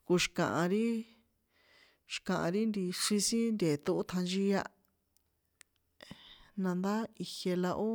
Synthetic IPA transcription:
ku˧ʃi̥˧kã̰˨ʔã˧ɾi˦ | ʃi̥˧˨kã˨ʔã̰˧ɾi˦nd̪i˧ʂi˧sĩ˦nd̪ʲe˨t̪u˧ʔu˦t̪ʰã˧nʒi˦ja˧ | nã˧nd̪a˦i˧he˧la˧ʔo˦

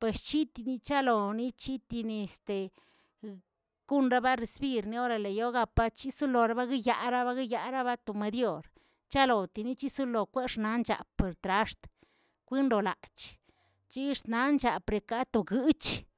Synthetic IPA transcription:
pwe˨st͡ʃi˦t̪i˧ni˧t͡ʃa˦lo˨ni˦t͡ʃi˦t̪i˧ni˧˨st̪e˨ | ɡ̥u˦nɾa˦ba˦ɾe˧sbi˦˧ɾni˧˦o˦ɾa˧le˨jo˦ɡa˧pa˧t͡ʃi˦su˦lo˨ɾa˦ba˦ɡi˦ja˧ɾa˦βa˦ɡi˦ja˧ɾa˦βa˦t̪o˨me˧d̪jo˧ɾ | t͡ʃa˦lo˨t̪i˧ni˦t͡ʃi˦su˦lo˨kʷe˦ʂna˨˦nt͡ʃa̰˨pe˨ɾt̪ɾa˧˦ʂt̪ | kʷi˦nd̪o˨la̰˨t͡ʃ | t͡ʃi˦ʂna˧˦nt͡ʃa˨pɾe˨ka˦t̪o˨ɡɨ˦t͡ʃ

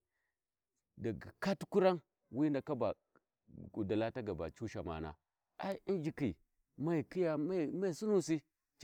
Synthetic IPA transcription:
da˨ɡa˨ka˦tu̥˦ku˦ɾa˦ŋ | wi˦nda˨ka˦ba˨ | u˨da˨la˦ta˦ɡa˨ba̰˨t͡ʃu˦ʃa˨ma̰˨na̰˨ | a̰˦i˦i˦nd͡ʒi˨ki˨ | ma˦i˨ki˦ja˨ma˦˨ma˦i˨su˦nu˨si˦ | t͡ʃ

